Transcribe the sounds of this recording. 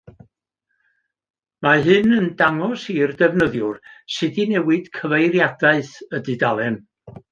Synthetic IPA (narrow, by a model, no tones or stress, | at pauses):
maɦɨnəndaŋɔsirdɛvnəðjʊrsɨdinɛwɨd̥kʰəvejrjadaɨθədɨdalˠɛm